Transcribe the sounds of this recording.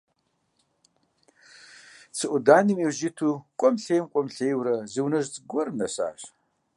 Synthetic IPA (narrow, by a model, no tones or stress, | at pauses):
t͡sʰɨʔʷʊdaːnimiːwʑɪtʰuːkʷʼɔmɬejmkʷʼɔmɬejwɾɐzɨwnɐʒt͡sʼɡʷɔrmnɐɕa̰ːɕ